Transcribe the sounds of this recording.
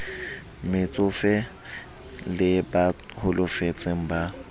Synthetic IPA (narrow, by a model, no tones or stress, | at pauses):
mɪt͡sʼʊfɛ | lɪba | hʊlʊfet͡sʼeŋ̩ba